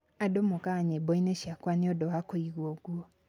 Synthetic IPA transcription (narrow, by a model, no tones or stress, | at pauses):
adomokaɲebɔineʃiakwaneɔdowakoiɣoɡuo